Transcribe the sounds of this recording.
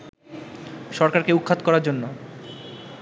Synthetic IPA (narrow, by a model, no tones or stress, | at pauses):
ʃɔɾkaɾkeukʰːat̪kɔɾaɾd͡ʑonːo